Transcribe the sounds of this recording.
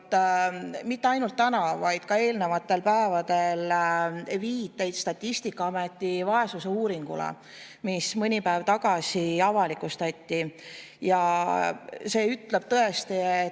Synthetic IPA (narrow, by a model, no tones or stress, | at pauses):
mit̪ːeɑjnult̪ːænɑvɑjd̪̥̚kɑe̞ːlne̞vɑt̪ːˑe̞lpæevɑd̪̥e̞l | viːt̪ːˑe̞jt̪st̪ɑt̪ʲːist̪ikːɑɑme̞t̪ʲːivɑe̞suseuːɾiŋɡ̥ṵlḛ | mismɤnʲipæevt̪ɑɡ̥ɑsiɑvɑlikust̪ɑt̪ʲːi | jɑ | se̞ːyt̪le̞b̥̚t̪ɤe̞st̪ie